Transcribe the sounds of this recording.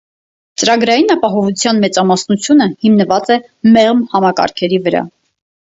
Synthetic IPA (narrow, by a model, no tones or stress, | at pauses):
t͡səɾɑɡɾɑjinɑpɑɦɔvut͡sʰjɑnmɛt͡sɑmɑsnut͡sʰjunəhimnəvɑt͡sɛ | mɛʁmhɑmɑkɑ̰ɾkʰɛɾivəɾɑ̰